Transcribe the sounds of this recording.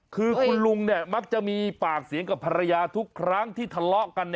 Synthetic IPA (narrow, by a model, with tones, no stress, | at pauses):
kʰɯː˧kʰu˧nlu˧ŋni˥˩ɐma˦˥k̚t͡ɕa˨˩ʔmiː˧paː˨˩k̚si˨˩˦əŋka˨˩pʰa˧ɾa˧jaː˧t̪ʰu˦˥kʰːɾa˦˥˩ŋt̪ʰiː˥˩t̪ʰa˧lɔ˦˥ʔka˧nː˧